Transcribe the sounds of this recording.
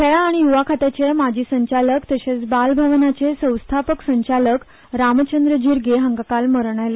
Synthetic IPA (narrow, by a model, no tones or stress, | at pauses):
kʰeɭaːɽ̃ijuʋakʰat̪at͡ɕjamad͡ʑʱiːsəɲt͡ɕaləkt̪əɕet͡sbalbʱaʋnat͡sesə̃w̃st̪ʰapəksəɲt͡ɕalək | ɾamət͡ɕənd̪ɾəd͡ʑiɾɡeɦəŋɡakalməɾɳ̃ajle